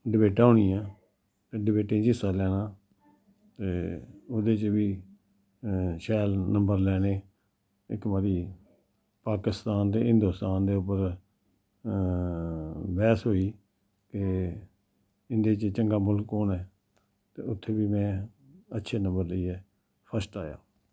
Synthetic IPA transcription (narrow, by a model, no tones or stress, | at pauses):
ɖɪbeːʈaːʊːɳ̃ĩːɛː | ɖɪbeːʈɪ̃ːd͡ʒɪsaːlɛːnaː | t̪eːoːd̪eːt͡ʃʋiː | ʃɛːlnə̃mbəɾlɛːneː | ɪkbaːɾiː | paːkɪst̪aːnd̪eːɦɪ̃nd̪oːst̪aːnd̪eːʊp̬ːəɾ | bɛːsɦoːiː | ke | ɪnd̪eːt͡ʃt͡ʃəŋɡaːmʊlkːoːnɛː | t̪eːʊt̪ʰːeːʋiːmɛ̃ː | ətːʃʰeːnə̃mbəɾləiːɛː | pʰəsʈaːja̰ː